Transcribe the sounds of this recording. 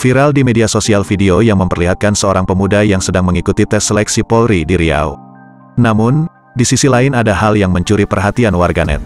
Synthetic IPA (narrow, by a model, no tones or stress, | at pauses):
fiɾaldimediasosialfideojaŋməmpərliɦat̪̚kansəoɾaŋpəmudajaŋsədaŋməŋikut̪it̪ɛsəlɛksipɔlɾidiɾia̰u | namʊn | disisilaɪnadaɦaljaŋməɲt͡ʃuɾipərɦat̪ianwarɡanɛ̰t̪̚